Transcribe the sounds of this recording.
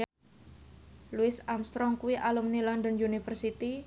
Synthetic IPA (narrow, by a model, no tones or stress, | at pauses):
luɪsamst̪ɾɔŋkuwiʔalumnilɔnd̪ɔnunifərsit̪i